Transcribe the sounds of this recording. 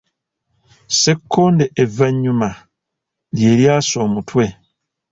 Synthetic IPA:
se̞kʰːoːndeʔːvːaɲːuma | lje̞ːljaːso̞ːmutʰwe̞

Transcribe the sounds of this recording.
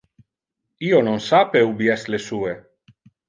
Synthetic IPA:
iononsapeubjɛslesue

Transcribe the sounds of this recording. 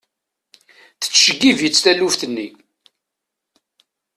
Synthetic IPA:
θə̥t͡sːʃəɡːivjət͡sːθælːufθənːi

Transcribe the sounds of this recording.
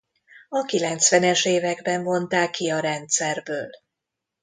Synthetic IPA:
ɒkilɛnt̪sʋɛnɛʃeːvɛɡbɛɱvo̞nt̪aːkːiɒɾɛnt̪sɛrbøːl

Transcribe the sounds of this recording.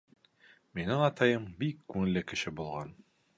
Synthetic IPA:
minɘŋɑt̪ɑjɤmbikːʉŋɘ̆lːɘkɘ̆ʃɘbulˠʁɑ̰n

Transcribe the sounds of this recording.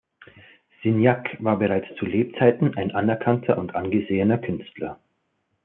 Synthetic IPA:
z̥ɪnjakvaːɐbəʁaɪt͡st͡suleːp̚t͡saɪtn̩ʔaɪnʔanɛɐkʰantʰɐʔʊntʔanɡəzeːənɐkʰʏnstlɐ

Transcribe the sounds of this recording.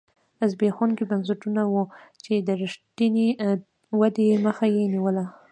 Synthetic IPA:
azbexankibansəʈunawut͡ʃed̪əɾɪʂʈine | wad̪eməxajeniwəla

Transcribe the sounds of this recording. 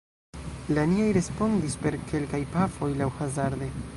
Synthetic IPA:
laniajɾe̞spo̞ndispe̞ɾkʰe̞lkajpafo̞jlawhazaɾd̪e̞

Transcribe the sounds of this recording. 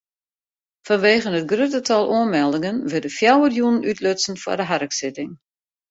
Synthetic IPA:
fɔnʋeːɣənɦət̚ɡrøtətʰɑlˠʔuənmɛlˠdɪŋənʋɪdəfjawəljunənytløtsən̩fɔ̰dəɦarəksɪtɪŋ

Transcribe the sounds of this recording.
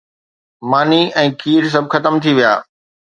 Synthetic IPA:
maːniɛ̃ːkʰiːɾs̬ɐb̚ʱxɐt̪əmt̪ʰiʋija̰ː

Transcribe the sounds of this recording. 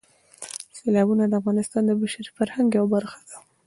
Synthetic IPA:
selɑbunad̪əafɣɑnɪst̪ɑnd̪əbaʃaɾifaɾhaŋɡjawabaɾxḁd̪̥ḁ

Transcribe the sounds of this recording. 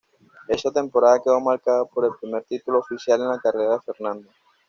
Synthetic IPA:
eʃat̪ẽmpoɾaðakeomaɾkaðapoɾelpɾimeɾt̪it̪uloofisjalenakareɾafeɾnãnd̪o

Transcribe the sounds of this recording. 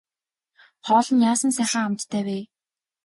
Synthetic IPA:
χɔːɮɞ̆njaːsə̆nsæːχăːamt̪ːʰæːweː

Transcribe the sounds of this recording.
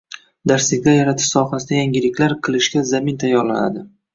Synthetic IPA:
d̪aɾsɪɡʲajaɾat̪ʰɪ̥ʃsɒɦasɪd̪ajaŋʲɪlɪkʲlaɾqʰɨlˠɪʃɡʲazamɪnt̪ʰajːɒɾla̰na̰d̪ɪ

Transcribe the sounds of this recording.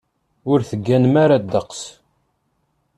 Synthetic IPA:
ʊɾθəɡːænmaɾad̪ːəqs

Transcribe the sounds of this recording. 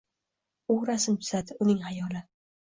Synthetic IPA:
uɾasɪmt̪ʰʊ̥zad̪ɪʊnɪŋhajɒlɪ

